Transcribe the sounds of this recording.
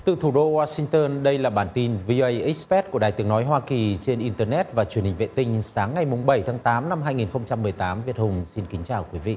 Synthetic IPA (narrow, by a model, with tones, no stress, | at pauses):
t̪ɨ˨˩t̪ʰu˧˩ɗo˧waː˧sï˧ŋ̟t̪əː˧nɗə˧jlaː˨˩ɓaː˧˩nt̪i˧nvi˧ʔo˧ʔə˧jʔi˦˥k̚spɛ˦˥t̚ku˧˩ə˩aː˨˩jt̪ɨ˨˦əŋnɔ˨˦jɦwaː˧ki˨˩t͡ɕe˧nʔi˧nt̪əː˧nɛ˦˥t̚vaː˨˩t͡ɕwənhï˨˩ŋ̟vḛ˧˨t̪ï˧ŋ̟saː˨˦ŋːa˨˩jmʊ˨˩ŋ͡mɓə˧˩jt̪ʰaː˨˦ŋt̪aː˨˦mna˧mɦaː˧jŋi˨˩nxə˧wŋ͡mt͡ɕa˧mːɨ˨˩əjt̪aː˨˦mvi˨˩ət̚hʊ˨˩ŋ͡msi˧nkï˨˦ŋ̟t͡ɕaː˨˩wkwi˨˦vḭ˧˨